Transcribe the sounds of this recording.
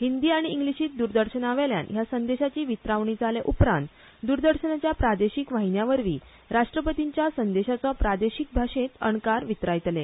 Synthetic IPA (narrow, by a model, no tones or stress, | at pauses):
ɦind̪iːaɽ̃iːŋɡliɕiːt̪̚d̪uɾd̪əɾɕənaʋelja̰njasənd̪eɕat͡ɕiːʋit̪ɾaʋɳid͡zaleʔupɾã̰nt̪ | d̪uɾd̪əɾɕənat͡ɕjapɾad̪eɕikʋaɦinjaʋəɾʋiː | ɾaʂʈɾəpət̪iɲt͡ɕjasənd̪eɕat͡sɔpɾad̪eɕik̚bʱaʂẽt̪əɳkaɾʋit̪ɾajt̪le